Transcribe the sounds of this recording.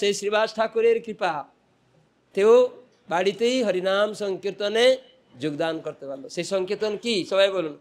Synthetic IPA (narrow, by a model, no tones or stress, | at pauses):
sesɾibasʈʰakuɾeɾkɾipa | t̪ew | baɽit̪eiɦʌɾinamsɔŋkiɾt̪ɔne | d͡ʒoɡd̪ankɔɾt̪ebʱanɔsesʌŋket̪ɔnkisʌbajbolun